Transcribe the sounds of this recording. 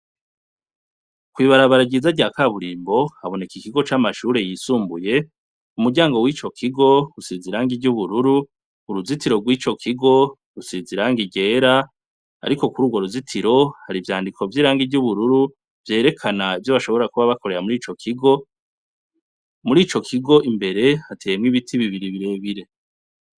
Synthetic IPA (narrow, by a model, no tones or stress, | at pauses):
kwiːβaɾaβaɾaɡizaɟaːkaβuɾiːmbo̞aβo̞ne̞kikiɡo̞t͡ʃamaʃuːɾe̞jisuːmbuje̞ | umuɡɟaːŋɡo̞wiːt͡ʃo̞kʰiɡo̞usiziɾaːŋɡiɟuβuɾuɾuː | ɾuzitiɾo̞ɡwiːt͡ʃo̞kʰiɡo̞ | ɾusiziɾaːŋɡiɟe̞ːɾa̰ː | ɾiko̞kuɾuːɡwo̞ɾuzitʰiɾo̞haɾivjaːndikʰo̞vjiːɾaːŋɡiɟuβuɾuɾu | vje̞ːɾe̞kʰanaivjoβaʃo̞βo̞ɾakuβaβako̞ɾe̞ɾamuɾiːt͡ʃo̞kʰiɡo̞ | muɾiːt͡ʃo̞kʰiɡo̞ʔimbe̞ɾe̞atʰeːmŋiβitʰiβiβiɾiβiɾe̞ːβiɾe̞